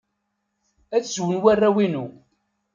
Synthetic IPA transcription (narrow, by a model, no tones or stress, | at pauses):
æt͡sːzwənwærːæwinu